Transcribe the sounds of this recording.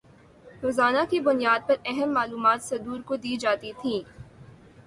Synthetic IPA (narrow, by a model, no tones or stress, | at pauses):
ɾoːzaːnakibʊnijaːd̪̚pɐɾɛɦəmːaːluːmaːt̪sɐd̪uːɾkod̪iːd͡ʒaːt̪it̪ʰĩː